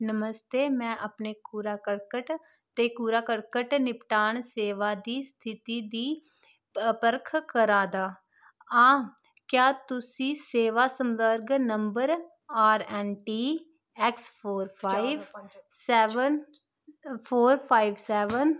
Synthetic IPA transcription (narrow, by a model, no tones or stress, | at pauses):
nəməst̪eːmɛ̃ːʔəpneːkuːɾaːkəɾkəʈ | t̪eːkuːɾaːkəɾkəʈnɪpʈaːɳseːʋaːd̪iːst̪ʰɪt̪iːd̪iː | pəɾkʰkəɾãːd̪aː | ãː | kjaːt̪ʊsĩːseːʋaːsəmʋəɾɡnəmbəɾ | aːɾɛːnʈiː | ɛkspʰoːɾpʰaːiʋsɛːʋən | pʰoːɾpʰaːiʋsɛːʋən